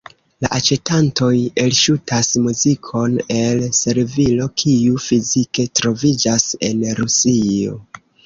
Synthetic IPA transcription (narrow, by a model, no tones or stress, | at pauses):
laʔat͡ʃe̞tanto̞je̞lʃutʰasmuzikʰo̞ne̞lse̞ɾvilo̞kʰiufizike̞tɾo̞vid͡ʒase̞nɾusio̞̰